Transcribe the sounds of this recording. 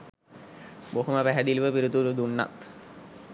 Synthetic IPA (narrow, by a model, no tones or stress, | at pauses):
boɦuməpæɦæd̪ilʋəpiɾut̪ulud̪unːa̰t̪